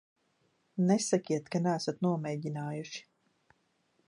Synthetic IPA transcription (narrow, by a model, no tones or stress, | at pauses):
nɛsakʲiɛt̪kanæːsat̪nuɔmɛːɟinaːjuʃi̥